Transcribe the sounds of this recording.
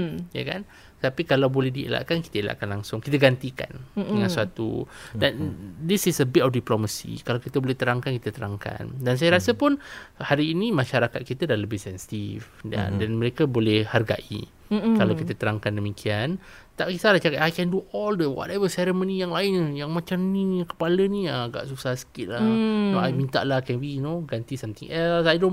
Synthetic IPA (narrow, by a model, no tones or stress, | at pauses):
ja̰ka̰n | t̪apikalawbolɛhdiḛla̰ʔkanki̥t̪aela̰ʔkanlaŋsʊŋkit̪aɡant̪ika̰ndəŋãnsəat̪ṵdandisisəbɪtɔfdiploməsḭkalawkit̪abolɛht̪əɾaŋkankit̪at̪əɾaŋka̰ndans̬ajaɾasapʊnhaɾiːnimãʃaɾakat̪̚kit̪adahləbɪsɛnsi̥t̪ifda̰danməɾekabolɛhharɡa̰ʔḭ | kalawkit̪ət̪əɾaŋkandəmikʰian | t̪aʔkisalat͡ʃakaʔajkɛnduʔɔldəwɔ̰tɛvəsɛɾəmõnijaŋlaɪnəjaŋmãt͡ʃamnikə̥palənĩaɡa̰ʔsusahsə̥kɪt̪̚lanoajmĩnt̪a̰ʔlahkɛ̃nbinoɡant̪isamt̪ḭŋʔɛlsajdõn